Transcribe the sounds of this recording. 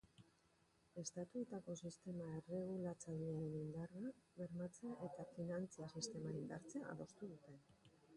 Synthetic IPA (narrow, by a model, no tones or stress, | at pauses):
e̞st̪at̪uet̪ako̞sist̪e̞mae̞re̞ɣ̞ulat͡saʎianind̪araβe̞ɾmat͡seaʔe̞t̪afinant͡siasist̪e̞maind̪a̰ɾt͡seaa̰ðo̞st̪uð̞ut̪e̞n